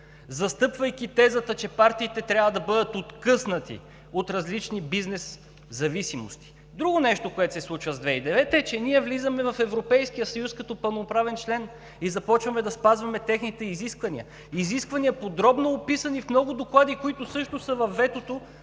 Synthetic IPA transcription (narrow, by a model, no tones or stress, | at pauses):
zɐst̪ɤpvɐjkʲit̪ɛzət̪ət͡ʃɛpaɾt̪iːt̪ɛt̪ɾʲjavɐd̪ɐbɤd̪ət̪ot̪kɤsnɐt̪ḭ | ot̪ɾɐzlit͡ʃnibiznɛs | zɐvisimo̰st̪i̥ | d̪ɾuɡʊnɛʃt̪okoɛt̪sɛslˠut͡ʃvəzd̪vɛid̪ɛvɛt̪ɛt͡ʃɛniɛvlizɐmɛvɐfɛvɾopɛjskijəsɐjuskɐt̪ɔpɐlˠnopɾavɛnt͡ʃlɛn | izɐpɔt͡ʃvɐmɛd̪ɐspazvɐmɛt̪ɛxnit̪ɛiziskvɐnḭə̰ | iziskvɐniəpod̪ɾɔbnoːpisɐnifmnɔɡʊd̪oklˠad̪ikoit̪ʊsɤʃt̪osəvɐfːɛt̪ot̪o